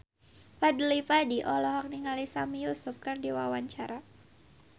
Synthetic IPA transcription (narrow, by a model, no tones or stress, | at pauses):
padəlipadiʔɔlɔɦɔk̚niŋalisamijusʊp̚kɨrdiwawaɲt͡ʃaɾa